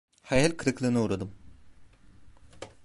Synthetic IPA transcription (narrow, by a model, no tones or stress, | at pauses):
hajɛlʲkʰɯɾɯklˠɯːnɯuːɾad̪ɯm